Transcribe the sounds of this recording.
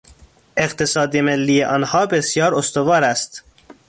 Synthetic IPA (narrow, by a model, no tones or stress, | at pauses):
eqt̪ʰesɒːd̪emelːiːjeʔɒːnhɒːbesjɒːɾost̪ovɒːɾæst̪